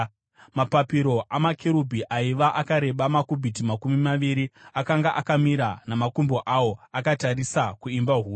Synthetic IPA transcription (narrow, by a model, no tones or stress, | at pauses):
mapapiɾo̞ʔamakʰeɾubʱiʔaiʋaʔakaɾe̞ɓamakubʱitimakumimaʋiɾiakaŋɡaʔakamiɾanamakumboʔawo̞akataɾisakuimbaɦuː